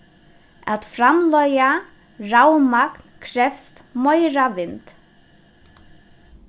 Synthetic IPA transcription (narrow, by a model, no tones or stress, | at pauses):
a̰t̪fɾamlœja | ɾawmaknkʰɾɛfst̪mɔjɾavɪnt̪